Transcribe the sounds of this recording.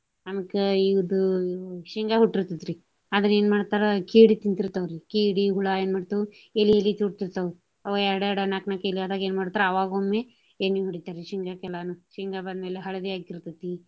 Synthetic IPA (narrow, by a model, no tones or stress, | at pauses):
ɐmikeiʋd̪uʃiŋɡaɦuʈːiɾt̪id̪ɾi | ad̪ɐneːnmaːɽt̪aːɾɐkiːɽit̪int̪iɾt̪ɐʋɾikiːɽiɦuɭaeːnmaːɽt̪u | elielit̪iuʈt̪iɾt̪ɐwɾ | ɐʋɐɛɾɽeɽɐnaːknakeliad̪aːɡeːnmaːɽt̪aːɾɐɐʋaːɡomːe | eːniɦuɽit̪aɾiʃiŋɡakɛlaːnuʃiŋɡabɐnd̪meːleɦɐɭɐd̪iaːɡiɾt̪it̪i